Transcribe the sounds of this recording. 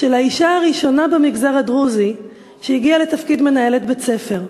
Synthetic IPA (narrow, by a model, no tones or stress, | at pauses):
ʃe̞laiʃaaʁiʃo̞nabemiɡzaʁadʁuzi | ʃejiɡiale̞t̪afkidme̞naje̞let̪bet͡se̞fe̞ʁ